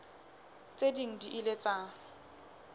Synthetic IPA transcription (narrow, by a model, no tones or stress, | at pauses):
t͡sʼediŋ̩diʔɪlet͡sʼa